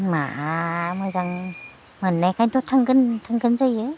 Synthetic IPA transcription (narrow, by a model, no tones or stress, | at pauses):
ma̰mɯjzaŋ | mɯnːajkʰajntɔtʰːaŋɡɯntʰaŋɡɯnzajɯ